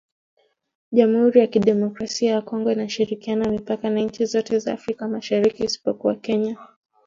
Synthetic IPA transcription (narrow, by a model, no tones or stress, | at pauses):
ʄamuhuɾijakiɗɛmɔkɾasiajakɔŋɡɔinaʃiɾikianamipakanaɲ̩t͡ʃizɔtɛza̰ːfɾikamaʃaɾikiːsi̥pɔkuwakɛɲa